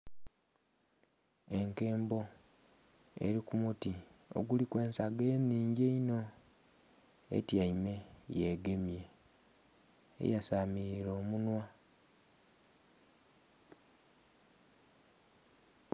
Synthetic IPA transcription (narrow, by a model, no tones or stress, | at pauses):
e̞ŋke̞ːmbo̞ | ḛɾikumutio̰ɡulikwe̞ːnsaɡeːnːiːɲɟeino̞ | ḛtjaime̞jeɡe̞mje̞ | jasamiɾo̞ːmunwa